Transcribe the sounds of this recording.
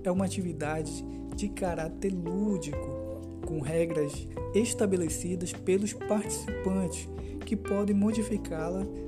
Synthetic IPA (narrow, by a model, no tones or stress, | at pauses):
ɛũmɐat͡ʃivid̪ad͡ʒɪ | d͡ʒɪkaɾat̪eɾlud͡ʒikʊ | kõɦɛɡɾɐz | eʃt̪abelesid̪ɐspelʊspaɾt͡ʃi̥sipɐ̃t͡ʃɪ̥s | kɪpɔd̪ẽj̃mod͡ʒifikalɐ